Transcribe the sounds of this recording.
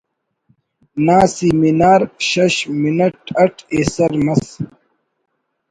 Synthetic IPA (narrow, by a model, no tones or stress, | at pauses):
naːsiminaːɾɕɐɕminɐʈɐʈʰeːsɐɾmɐs